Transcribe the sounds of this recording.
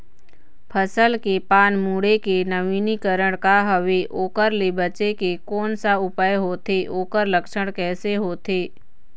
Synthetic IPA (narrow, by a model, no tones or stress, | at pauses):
pʰəsəlkepaːnmuːɽekenəʋiːnikəɾəɽ̃kaɦəʋeʔoːkəɾlebət͡ʃekekɔːnsaʊpəjɦoːt̪ʰeʔoːkəɾləkʃəɽ̃kɛːseɦoːt̪eː